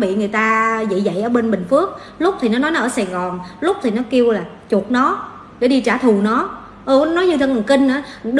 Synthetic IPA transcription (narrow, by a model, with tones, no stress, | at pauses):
ɓḭ˧˨ŋɨ˨˩əjt̪aː˧zḭ˧˨zə̰˧˨jʔəː˧˩ɓe˧nɓï˨˩ŋ̟fɨ˦˥ək̚ | lʊ˦˥k͡p̚t̪ʰi˨˩nɔ˨˦nɔ˨˦jnɔ˨˦ʔːsaː˨˩ɣɔ˨˩nlʊ˦˥k͡p̚t̪ʰi˨˩nɔ˨˦ki˧əwlaː˨˩ | t͡ɕu˨˩ət̚nɔ˨˦ | ɗe˧˩˦ɗi˧t͡ɕaː˧˩t̪ʰu˨˩nɔ˨˦ | ʔɨ˨˧˩nɔ˨˦ɲɨ˧t̪ʰə˧ŋɔ˨˩nkï˧ŋ̟ʔaː˨˦ɗ